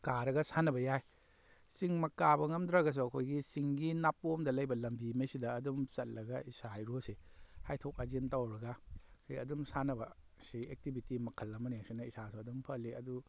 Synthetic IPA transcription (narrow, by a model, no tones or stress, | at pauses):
kaɾɐɡɐsanɐbɐjaj | siŋmɐkabɐŋɐmdɾaɡɐs̬uɐkʰojɡisiŋɡinap̚ːomdɐlɐjbɐlɐmbimesidɐːdumsɐt̚lɐɡɐisajɾosehajtʰok̚azintawɾɐɡasʰiɐdumsanɐbɐ | siek̚tibitimɐkʰɐlːɐmɐniasinɐisasuɐdumpʰɐliɐ̰du